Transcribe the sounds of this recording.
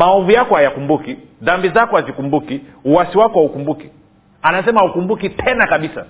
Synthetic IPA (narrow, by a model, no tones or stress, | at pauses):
maɔvujakɔhajakumbuki | ðambizakɔhazikumbuki | uwasiwakɔhaukumbuki | anasɛmaukumbukitʰɛnakaɓisa̰